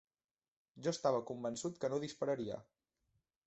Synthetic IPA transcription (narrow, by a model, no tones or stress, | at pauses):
ʒɔəst̪aβ̞əkumbənsut̪kənoðispəɾəɾiə̰